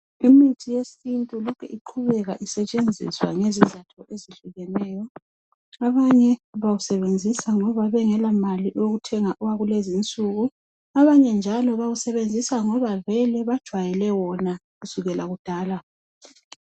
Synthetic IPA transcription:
imitʰijesintʼulɔkʰɛʔiǃʰuβɛɣaʔisɛt͡ʃʼend͡zʱḭswa̰ŋezizatʰɔʔeziɬuɣɛnɛːjɔ | aβaɲɛβawusɛβend͡zʱisaŋɔβaβɛŋɛlamaliʔɔoɣutʰɛŋaʔuwaɣulezint͡sʼuɣu | aβaɲɛnd͡ʒʱalɔβawusɛβend͡zʱisaŋɔβavɛlɛβad̥ʒ̥ʱwajɛlɛwɔna | ɣusuɣɛlʔaɣud̥ʱaːla

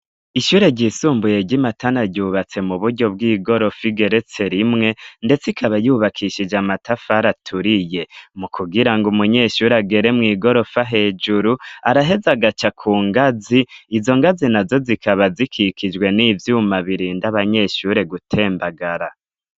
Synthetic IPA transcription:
iʃuːɾe̞ɟisuːmbuje̞ɟimatʰanaɾɟuːβat͡se̞muβuɾɟo̞b̚ɡiːɡo̞ɾo̞fiɡe̞ɾe̞t͡se̞ɾimŋe̞nde̞t͡sikʰaβajuːβakʰiʃid͡ʒamatafaɾatʰuɾije̞mukʰuɡiɾaŋɡumuɲe̞ːʃuɾeaɡe̞ɾe̞mŋiːɡo̞ɾo̞faɦe̞d͡ʒuɾuaɾaɦe̞zaɡat͡ʃakʰuːŋɡaziːzo̞ŋɡazinazo̞zikaβazikʰikʰid͡ʒwe̞nivjuːmaβiɾiːndaβaɲe̞ʃuɾe̞ɡutʰe̞ːmbaɡaɾa

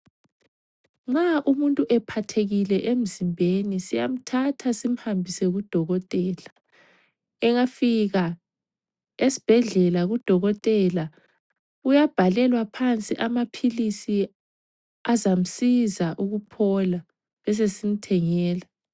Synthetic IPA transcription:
ŋ͡ǁaʔumuntʼuʔɛpʰatʰeɣilɛʔem̩zimbʱenisijam̩tʰatʰasim̩hambʱisɛɣud̥ʱɔɣɔtʼɛːla | ɛŋafiɣa | esi̥b̥ʱɛɮɛlaɣud̥ʱɔɣɔtʼɛla | ujab̥ʱalɛlwapʰant͡sʼiʔamapʰilisi | azam̩sizaʔuɣupʰɔla | βɛs̬esim̩tʰɛŋɛːla

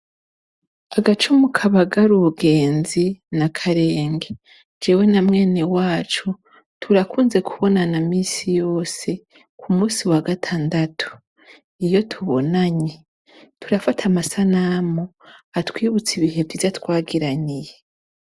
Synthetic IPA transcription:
aɡat͡ʃumukʰaβaɡaɾuuɡe̞ːnzinakʰaɾe̞ːŋɡe | d͡ʒewe̞namŋe̞ːnewaːt͡ʃu | tʰuɾakuːnze̞kʰuβo̞nanamiːsijo̞ːse̞ | kʰumuːsiwaɡatʰaːndatʰu̥ | ijo̞tʰuβo̞̰naɲe | tʰuɾafatʰamasanamo | atwiːβut͡siβiɦe̞vdivjatwaːɡiɾanije

